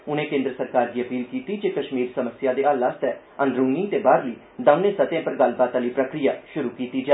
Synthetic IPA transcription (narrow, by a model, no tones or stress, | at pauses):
ʊnẽːkẽːnd̪ɾəsəɾkaːɾd̪iːəpiːlkiːt̪iːd͡ʒeːkəʃmiːɾsəməsɪjaːd̪eːaːlaːst̪ɛː | ə̃nd̪ɾuːnĩːt̪eːbaːɾliː | d̪amneːsət̪jãːpəɾɡəlbaːt̪aːliːpɾəkɾijaːʃʊɾuːkiːt̪iːd͡ʒa